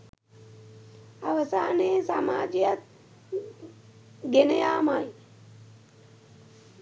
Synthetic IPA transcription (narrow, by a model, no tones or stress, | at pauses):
aʋɐsaːneːsaːma̰ːd͡ʒjat̪̚ | ɡenəjaːmaj